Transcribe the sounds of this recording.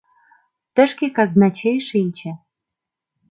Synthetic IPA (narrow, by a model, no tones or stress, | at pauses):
t̪ə̆ʃkekɑznɑt͡ɕejʃeit͡ɕæ̆